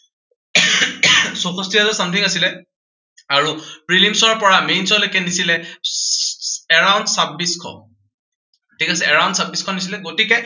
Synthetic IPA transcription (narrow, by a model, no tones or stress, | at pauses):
sɔxɔstiazɔsamt̪ʰiŋasilɛ | aɹupɹilimsɔɹpɔɹamejnsɔlojkɛnisilɛ | ɛɹawndsabːiskʰɔ̰ | tʰikasɛɛɹawndsabiskʰɔnis̬ilɛɡotikɛ